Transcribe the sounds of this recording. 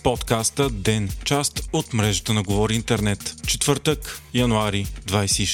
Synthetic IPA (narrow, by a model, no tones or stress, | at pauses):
pɔt̪kast̪əd̪ɛnt͡ʃast̪ot̪mɾɛʒət̪ənɐɡovɔɾiint̪ɛɾnɛt̪t͡ʃɛt̪vɤɾt̪əkjɐnuaɾid̪vajsɛiʃ